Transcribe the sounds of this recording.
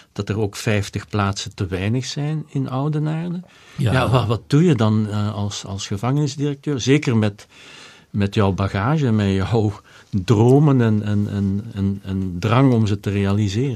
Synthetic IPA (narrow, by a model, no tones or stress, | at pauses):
d̥ɑtəroːkfɛjftəxplaːtsətəʋɛjnəxsɛjnɪnɔwdənaːrdə | jaːʋɑʋɑt̚d̥ujədɑnɑlˠsɑ̰lˠsxəvɑŋənɪzdirək̚tøːrzeːkərmɛt | mɛtjɔwbaɣaːʒəmɛjɔw | droːmənɛnɛnɛnɛnɛndrɑŋɔmzətərealizɪːrə